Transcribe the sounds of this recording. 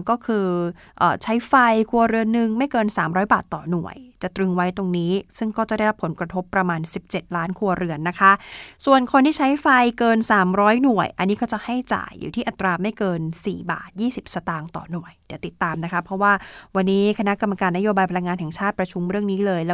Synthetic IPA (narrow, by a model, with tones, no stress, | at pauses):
ŋkɔː˥˩kʰɯː˧ | ʔə̰ː˨˩t͡ɕʰa˦˥jfa˧jkʰu˧ɐɾɯ˧ənːɯ˨˧ŋma˥˩jkɤː˧nsaː˩˦mɾɔː˦˥jbaː˨˩t̪ːɔː˨˩nu˨˩əjt͡ɕa˨˩t̪ɾɯ˧ŋwa˦˥jt̪o˧ŋniː˦˥sɯ˥˩ŋkɔː˥˩t͡ɕa˨˩da˥˩jɾa˦˥pʰːo˩˦nkɾa˧t̪ʰo˦˥pːɾa˧maː˧nsi˨˩p̚t͡ɕe˨˩t̪̚laː˦˥nkʰu˧ɐɾɯ˧ənːa˦˥kʰa˦˥ʔsu˨˩ənkʰo˧nt̪ʰiː˥˩t͡ɕʰa˦˥jfa˧jkɤː˧nsaː˩˦mɾɔː˦˥jnu˨˩əjʔa˧nːiː˦˥kɔ˥˩t͡ɕa˨˩ʔha˥˩jt͡ɕa̰ː˨˩jːṵː˨˩t̪ʰiː˥˩ʔa˨˩t̪ɾaː˧ma˥˩jkɤː˧nsḭː˨˩ba̰ː˨˩t̪̚jiː˥˩si˨˩p̚sa˧t̪aː˧ŋt̪ɔ̰˨˩nu˨˩əjd̪ɛː˨˩˦t̪i˨˩t̪ːaː˧mna˦˥kʰa˦˥pʰɾɔ˦˥waː˥˩wa˧nːiː˦˥kʰa˧na˦˥ʔka˧mːa˧kaː˧nːa˦˥joː˧baː˧jpʰa˧la˧ŋːaː˧nɦɛ˨˩ŋt͡ɕʰaː˥˩t̪̚pɾa˧t͡ɕʰu˧mɾɯ˥˩əŋniː˦˥lɤː˧jlɛ˦˥